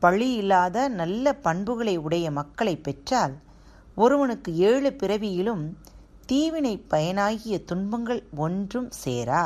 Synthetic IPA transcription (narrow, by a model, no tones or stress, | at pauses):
pɐɭːɪjɪlːaːðɐnɐlːɐpɐɳbɯɣɐɭɐɪʊɽɐjɐmɐkːɐɭɐɪpːɛʈraːl | ɔɾɯʋɐnɯkːɯeːɻɯpɪɾɐʋɪjɪlɯm | t̪iːʋɪnɐɪpːɐjɐnaːɣɪjɐt̪ʊɳbɐŋɡɐɭɔndrɯmsḛːɾaː